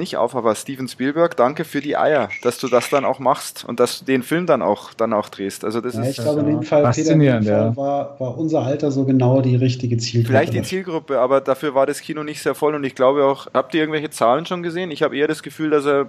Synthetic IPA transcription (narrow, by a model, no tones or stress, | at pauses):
nɪçtʔa̰ʊfaːbɐstiːvn̩spiːlbɛɐkd̥aŋkəfyːɐdiːʔa̰ɪɐd̥asd̥uːdasd̥ana̰ʊxmaχstʊ̰nt̚d̥asd̥uːdeːnfɪlmdana̰ʊxd̥anaʊxd̥ʁeːstʔa̰lzodasɪaɪɡlabəɪndeːmfalfeːtniːʁəntjaːvaːɐvaːɐʔʊnzɐʔaltɐzoːɡənaʊdiːʁɪçtɪɡət͡siːlɡfɪlaɪçd̥it͡siːlɡʁʊpəaːbɐdafyːɐvaːɐɾaskʰiːnonɪçtz̥eːɐfɔlʊntɪçɡ̥laʊbəaʊxhaːp̚tiːɪɐŋ̩vɛlçət͡saːlənʃoːnɡəzeːənɪçhaːbəʔeːɐɾasɡ̥əfyːldaseːɐ